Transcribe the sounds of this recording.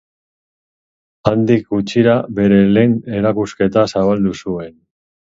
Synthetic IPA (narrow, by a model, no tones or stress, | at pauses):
and̪ik̚ɡut͡ʃiɾaβe̞ɾe̞le̞ne̞ɾakuske̞t̪asaβ̞ald̪usue̞n